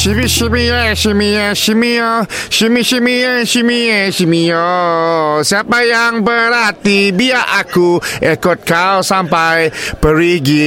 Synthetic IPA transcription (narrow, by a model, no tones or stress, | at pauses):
ʃimiʃimiɛʃimiɔʃimiɔ | ʃimiʃimiɛʃimiɛʃimijo | siapajaŋbəɾat̪ibiaʔakuekɔt̪̚kawsampajpəɾiɡi